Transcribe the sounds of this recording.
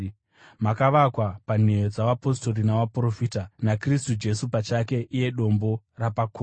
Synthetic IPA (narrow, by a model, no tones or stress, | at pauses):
makaʋakwapan̤e̞jod͡zaʋapo̞sto̞rinaʋapro̞fiːtanakristud͡ʒe̞supat͡ʃake̞ʔije̞ɗo̞mbo̞ | rapakoː